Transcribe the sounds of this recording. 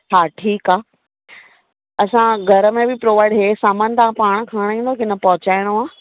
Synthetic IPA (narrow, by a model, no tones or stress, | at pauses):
aːʈʰiːkaː | ɐsãɡʱɐɾəmẽbɪpɾoːʋaːɪɖɦeːsaːmaːn̆t̪ʰãpaːɽ̃̆kʰaːɽ̃ĩːn̆d̪okɪnɐpɐɦʊt͡ɕaːɪɽ̃oaː